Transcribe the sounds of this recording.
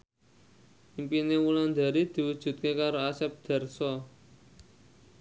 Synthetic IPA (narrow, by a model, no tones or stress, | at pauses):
impinewuland̪a̤ɾid̪̥i̤wud̥ʒ̥ṳt̪̚kekaɾoasɛp̚d̪̥a̤rsɔ